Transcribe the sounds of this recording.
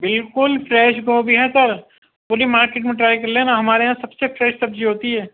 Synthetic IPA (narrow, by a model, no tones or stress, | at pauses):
bɪlkʊlfʰɾɛːʃɡoːbʱiɦɛsɐɾ | pʊɾimaːɾkeːʈmẽʈɾaːikɐɾlenaɦɐmaːɾeɦãsɐbsefʰɾɛːʃsɐb̚d͡ʒiɦoːt̪iɦɛː